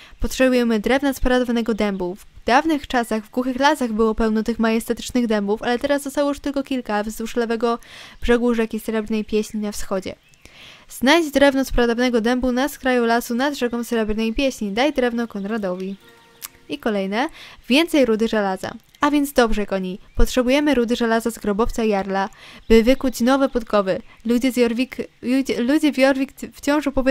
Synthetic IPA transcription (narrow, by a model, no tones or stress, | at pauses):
pɔtʂɛbujɛmɘd̪ɾɛvnaspɾad̪ɔvanɛɡɔd̪ɛmbuvd̪avnɘxt͡ʂasaɣvɡwuxɘxlasaɣbɘwɔpɛwnɔt̪ɘxmajɛst̪ɛt̪ɘ̥t͡ʂnɘɣd̪ɛmbufalɛt̪ɛɾazd̪ɔst̪awɔjuʂt̪ɘlkɔkʲilkavzuʂlɛvɛɡɔb̥ʐɛɡuʐɛkʲisɾɛbɾnɛjpʲjeɕɲinafsxɔd͡ʑɛ̰ | z̥najʑd͡ʑd̪ɾɛvnɔspɾad̪ɔvanɛɡɔd̪ɛmbunaskɾajulasunad̪ʐɛkɔ̃msɾɛbɾnɛjpʲjeɕɲid̪ajd̪ɾɛvnɔkɔnɾad̪ɔvʲi | ikɔlɛjnɛvʲjɛnt̪sɛjɾud̪ɘʐɛlaza̰ | avʲjɛnd̪zd̪ɔbʐɛkɔɲijpɔtʂɛbujɛmɘɾud̪ɘʐɛlazazɡɾɔbɔft̪sajaɾlab̥ɘvɘkut͡ɕnɔvɛput̪kɔvɘd͡ʑzʲɾvʲiklud͡ʑɛvʲjɔɾvʲikft͡ɕɔ̃w̃ʐɔpɔvʲ